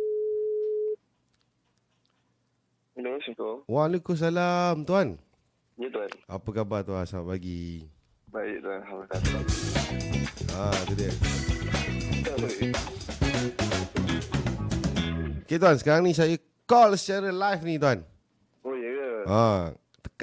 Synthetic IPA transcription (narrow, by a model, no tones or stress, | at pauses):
dasut̪owalekus̬alamt̪uɦan | jət̪uana̰pəkabat̪uansaap̚paɡi | baɪʔlahamakatla | at̪ədə | aba | oket̪uɦansə̥kaɾaŋnĩsajə | kɔlsə̥t͡ʃaɾəlajfnĩt̪uan | ojəjəa | t̪ə̥k